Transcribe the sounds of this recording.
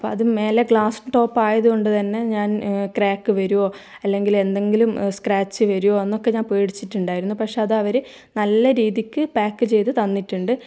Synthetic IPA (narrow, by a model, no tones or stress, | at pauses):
ɐpːo̰ːɐðɨme̞ːleɡɭaːsʈo̞ːpːaːjɐðuko̞ɳɖɨt̪ɐnːe̞ɲaːnkraːkːɨʋɐɾuʋo̞ː | ɐlːe̞ŋɡile̞nd̪e̞ŋɡilumskraːt͡ɕːɨʋɐɾuʋo̞ːenːokːe̞ɲaːnpeːɽit͡ɕːiʈːuɳɖaːjiɾunːupɐkʂe̞ɐðɨɐʋɐɾɨ | nɐlːɐɾiːðikʲːɨbaːkːɨt͡ɕe̞jt̪ɨt̪ɐnːiʈːuɳɖɨ